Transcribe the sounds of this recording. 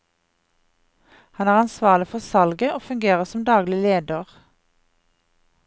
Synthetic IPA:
hɑnæːʁɑnsʋɑːlɪfɔʁsɑlɡəoːfʉŋɡeːʁəsɔmd̪ɑːɡlɪleːd̪əʁ

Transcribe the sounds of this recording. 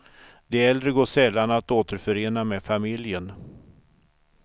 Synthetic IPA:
d̪ɛæɛld̪ɾəɡoːʂɛlːanat̪oːt̪əɾfœɾeːnameːfamɪljən

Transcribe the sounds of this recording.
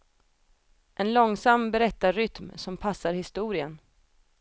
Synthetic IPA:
ʔɛnlɔŋsamːbɛɾɛt̪ːaɾʏt̪msɔmpʰasːaɾhɪst̪uːɾɪən

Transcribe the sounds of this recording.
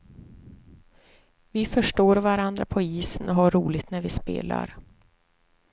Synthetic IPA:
vɪfœʂʈoːɾvaɾand̪ɾa̰pʰɔiːsənɔɦaɾuːlɪɡt̪næɾvɪspḛːla̰ɾ

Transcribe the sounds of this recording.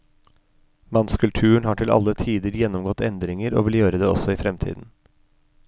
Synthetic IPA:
mɑnskʉlt̪ʰʉːəɳhɑːʈʰɪlʔɑ̰lət̪ʰiːd̪əɾjɛnːɔmɡɔt̪ɛnd̪ɾɪŋəɾo̰ːʋɪljøːɾəd̪eːɔsɔiːfɾɛmt̪ʰḭːd̪n̩

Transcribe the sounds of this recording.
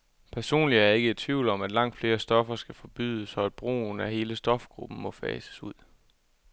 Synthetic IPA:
pʰæɐso̝̰ːnliæɐe̝ɡəe̝d̚t͡sʰʋiʊlɒ̽mæd̥lɑ̈ŋ̰d̥fle̝ːɐsd̥ɒ̽fɐsɡ̥æfɒ̽b̥y̰ðˠəsɒ̽æd̥̚b̥ʁo̝̰ːnæhe̝ːləsd̥ɒ̽fɡ̥ʁub̥n̩mɒ̽fɛ̰ːsə̥suð̞̰ˠ

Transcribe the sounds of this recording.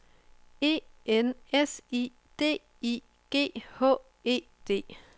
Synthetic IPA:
e̝̰ːenesḭː | d̥e̝̰ː | i | ɡ̥e̝̰ːhɔ̰ː | e̝̰ː | d̥e̝̰ː

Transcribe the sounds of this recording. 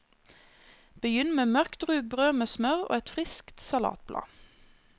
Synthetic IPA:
b̥əjʏnmeːmœʁkt̪ʁʉːɡ̚bʁøːmeːsmœʁo̰ːɛt̪fʁɪskt̪sɑlɑ̰ːt̪̚blɑ̰ː

